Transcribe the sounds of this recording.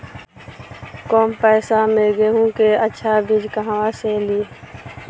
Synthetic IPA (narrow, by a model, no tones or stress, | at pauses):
koːmpɛːsameɡeɦũkeətːʃʰabʱɪd͡ʒkəɦãʋaseːliː